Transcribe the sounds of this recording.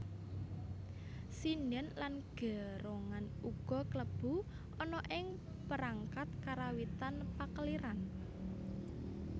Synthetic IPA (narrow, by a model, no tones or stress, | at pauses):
sinənlanɡ̥ɛ̤ɾoŋan | uɡ̥ɔ̤kləb̥ṳ | ʔɔnɔʔɪŋ | pəɾaŋkat̪̚kaɾawit̪anpakəliɾan